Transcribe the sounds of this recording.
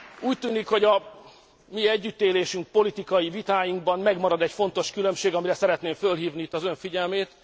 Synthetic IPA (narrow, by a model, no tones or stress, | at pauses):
uːc̚t̪yːnikho̞ɟɒ | miɛɟːyt̪ːeːleːʃyŋk̚po̞lit̪ikɒjivit̪aːjiŋɡbɒmmɛɡmɒɾɒd̪ɛcfo̞nt̪o̞ʃkylømʃeːɡɒmiɾɛsɛɾɛt̪neːɱfølɦiːvniit̪ːɒzø̞ɱfiɟɛlmeːt̪